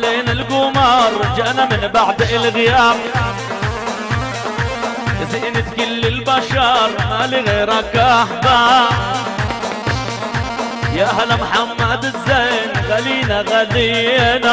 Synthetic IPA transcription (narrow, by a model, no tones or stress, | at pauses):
leːnɪlɡʊmɑɾˤd͡ʒaʔnamɪnbaʕd̪ɪlɣɪjaːq | ʔɪziʔnɪt̪kɪlːɪlbaʃɑɾˤmaliɣeːɾakaaħba | jaʔahlamħamːad̪zːejnxaliːnaɣad̪ina